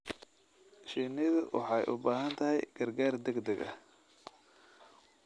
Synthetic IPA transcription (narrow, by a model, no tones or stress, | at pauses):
ʃiːnɪðʊwʔɑ̰ħɑjʔʊ̰baːɦɐnt̪ʰɐɦɛjɡ̥ɐrɡaːrd̪ɛɡd̪ɛɡɐ̰